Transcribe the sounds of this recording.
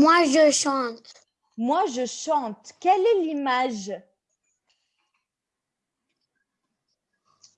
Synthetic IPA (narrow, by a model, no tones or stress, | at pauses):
mwaʒəʃɑ̃t̪ | mwaʒəʃɑ̃t̪kʲɛlɛlimaʒ